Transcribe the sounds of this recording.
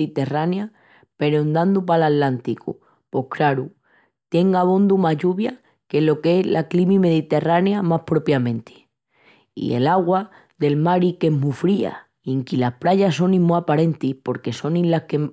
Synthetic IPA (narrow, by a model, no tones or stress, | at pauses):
it̪e̞ranja | pe̞ɾond̪and̪upalat̪lant̪ikṵ | po̞hkɾaɾu | t̪je̞ŋɡaβõ̞nd̪umaɦʎuβja | ke̞lo̞ke̞lʔaklimime̞ðit̪e̞ranjamahpɾo̞pjamẽ̞nt̪ʰi̥ | ḭe̞̰laɣwa | ðe̞lmaɾike̞mufɾia̰ | eŋkilapɾaʎaso̞nĩmmuapaɾe̞nt̪ihpo̞ɾke̞so̞nĩllahke